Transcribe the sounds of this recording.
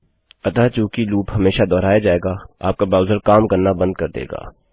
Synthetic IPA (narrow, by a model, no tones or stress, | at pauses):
ɐt̪at͡ʃũːkiluːpɦɐmeːʃad̪ɔːɾaːjad͡ʒaːeːɡaːa̰ːp̚kabaːʋzəɾkaːmkɐɾnabɐ̃nd̪̚kɐɾd̪ḛːɡa̰ː